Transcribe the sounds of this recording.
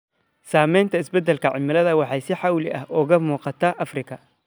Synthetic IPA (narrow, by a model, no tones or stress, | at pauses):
saːmɛjnt̪ʰɐɪsbɛd̪ɛlkʰɐʕɪmɪlɐðɐwɑħɑjsɪħɑwlɪʔɐhʔɔɣɐmuːqɑt̪ʰɐʔɐfrɪkʰɐ